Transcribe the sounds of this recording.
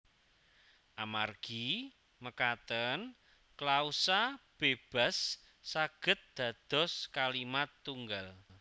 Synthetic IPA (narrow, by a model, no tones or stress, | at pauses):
ʔamarɡ̥i | məkat̪ən | klausab̥eb̥a̤sː | aɡ̥ə̤t̪̚d̪̥ä̤d̪̥ɔ̤skalimat̪ːuŋɡal